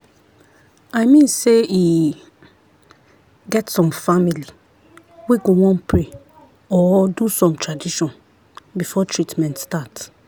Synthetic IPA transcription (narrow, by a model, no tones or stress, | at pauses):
ajmĩnsei | ɡɛtsɔ̃mfamili | weɡowɔ̃npʰɹe | ɔdusɔ̃mtɹadiʃɔ̃n | bifɔtʰɹitmɛ̃ntstat